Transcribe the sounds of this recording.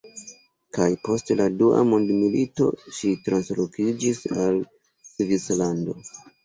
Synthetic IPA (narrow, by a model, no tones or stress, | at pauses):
kajpo̞steladuʔa̰mondmilito̞̰ʃitɾanslokid͡ʒisal | svislando̞̰